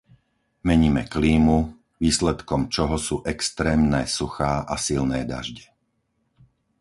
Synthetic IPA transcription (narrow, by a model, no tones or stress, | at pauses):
mɛɲiːmɛkliːmu | ʋiːslɛt̪kɔmt͡ʃɔɦɔsuːʔɛkst̪ɾɛːmnɛːsuxaːʔasilnɛːd̪a̰ʒɟɛ